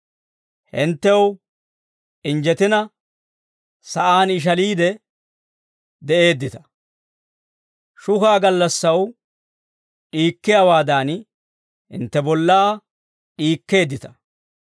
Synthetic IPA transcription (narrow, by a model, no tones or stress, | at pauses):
hɪnt̪ːɛw | ʔɪnd͡ʒɛt̪ɪnɐ | sɐʔaːnɪʃ̬ɐliːd̪ɛ | d̪ɛʔe̞ːd̪ːɪt̪ɐ̥ | ʃʊhaːɡɐlːɐsːɐw | ʔiːkːɪjawaːd̪aːn | ɪ̰nt̪ːɛbɔlːaː | ʔiːkːe̞ːd̪ːɪt̪ɐ̥